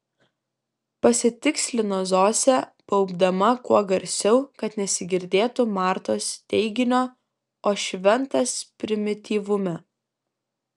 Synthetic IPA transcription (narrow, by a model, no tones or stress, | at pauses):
pɐsʲɪt̪ʲɪksʲlʲɪnoːzoːsʲɛpɐʊbd̪ɐmɐkuɔɡɐɾʲsʲɛʊkɐt̪nʲɛsʲɪɡʲɪɾʲd̪ʲeːt̪ʊmɑːɾt̪oːst̪ʲɛɪɡʲɪnʲoː | oːʃʲʋʲɛnˑt̪ɐspʲɾʲɪmʲɪt̪ʲiːʋʊmʲɛ